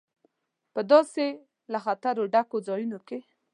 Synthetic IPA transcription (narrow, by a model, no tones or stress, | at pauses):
pəd̪ɑse | laxat̪aɾoɖakod͡zɑjunoke